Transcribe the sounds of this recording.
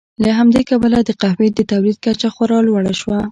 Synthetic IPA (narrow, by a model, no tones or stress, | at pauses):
laɦamd̪ekabəlad̪əqahmed̪d̪ət̪awlid̪̚kat͡ʃaxwaɾɑlwaɽaʃwa